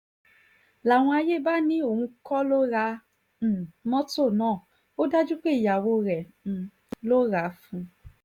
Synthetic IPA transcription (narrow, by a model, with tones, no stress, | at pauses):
la˨w̃ɔ̃˧a˧je˦˨ba˦nĩ˦o˦˨hũ˧kɔ˦lo˦ɾã˧˨ | mɔ̃˦to˦˨nãː˦˨ | o˦da˦d͡ʒu˦k͡pe˦i˨ja˨wo˧ɾɛ̃˨ | lo˦ɾa˨˦fũ˧